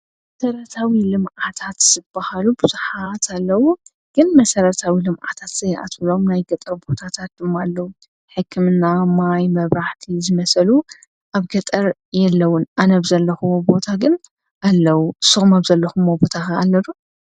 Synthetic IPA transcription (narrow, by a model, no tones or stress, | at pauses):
mɐsɐɾɐt̪ʰawilɨmʔat̪ʰat̪z̥ɨb̥ːahalubɨzuħat̪ʰalːɐwu | ɡ̥ɨnmɐsɐɾɐt̪ʰawilɨmʔa̰t̪ʰat̪z̥ɐjʔa̰t̪ɨlo̞mnajɡɐt̪ʼɐɾbo̞t̪ʰat̪ʰat̪̚d̪ɨmːoalːɐwu | ħɨkʰːɨmɨnːamajmɐβɾaħt̪ʰizɨmɐsɐlu | ʔaβɡɐt̪ʼɐɾ | jɛlːɐwʊnʔanɐβzɐlːɐxubo̞t̪ʰaɡɨn | ʔalːɐwuɨsːɨxumaβzɐlːɐxumːobo̞t̪ʰaxɐalːɐlu